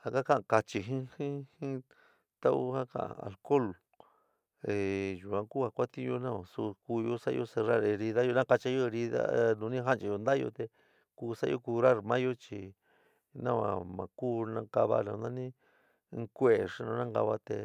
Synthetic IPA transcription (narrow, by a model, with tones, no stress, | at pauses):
ha˧ka˦kã˦ʔka˧t͡ʃi˧ɦĩ˦hĩ˦hĩ˦ | t̪a˦ʔṵ˦ha˦kã̰˨a̰˨a̰˨lko˦lo˨ | e˨ju˨ã˧ku˦a˧kʷa˦t̪ĩ˦jo˧nã˦˧ã˧˨su˧ku˧jo˦sa̰˦˧jo˦se˧ɾa˦˨ɾe˧ɾi˧ða˦jo˧nã˦ka˧t͡ʃa˧˦jo˦˧ɾi˧ða̰˦nũ˧nĩ˦ɦa˦nt͡ʃi˧jo˧nd̪a˦jo̰˧t̪e˧ | kuː˧sa˦˧jo˦ku˧ɾa˦ɾmã˦jo˦t͡ʃi˧˨ | nã˦˧ã̰˧mã̰˨kuː˦nã˧˦ka˧βa̰˦nã˧nd̪ã˦nĩ˦˧˦ | kʷe˦e˨ʂi˧nõ˧nã˦ka̰˧βa˦t̪e˧